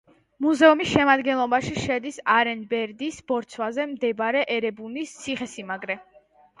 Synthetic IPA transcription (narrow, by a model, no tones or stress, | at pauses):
muzɛumisʃɛmad̪ɡɛnlˠɔbaʃiʃɛd̪isaɾɛnbɛɾd̪isbɔɾt̪sʰwazɛmd̪ɛbɾɛʔɛɾɛbunist̪sʰiχɛsimaɡɾɛ